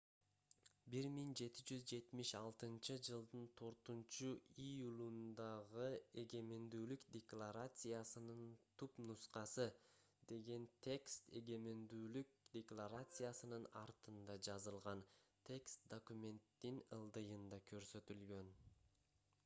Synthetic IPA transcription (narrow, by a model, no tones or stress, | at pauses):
biɾmiŋd͡ʒe̞t̪id͡ʒyzd͡ʒe̞t̪miʃɑlˠt̪ɯnt͡ʃɯd͡ʒɯlˠd̪ɯnt̪ʰo̞ɾt̪unt͡ʃuijulˠund̪ɑʁɯe̞ɡe̞me̞nd̪yːlykd̪ʲeklˠaɾat̪sɨjasɯnɯnt̪ʰupnusqɑsɯ | d̪e̞ɡe̞nt̪ʲʰe̞kst̪e̞ɡe̞mend̪yːlyk̚d̪ʲeklˠaɾat̪sɨjasɯnɯnɑɾt̪ɯnd̪ɑd͡ʒɑzɯlˠʁɑnt̪ʲʰe̞kst̪̚d̪okumʲe̞nt̪ːinɯlˠd̪ɯjɯnd̪ɑkʰø̞ɾsø̞t̪ylɡø̞n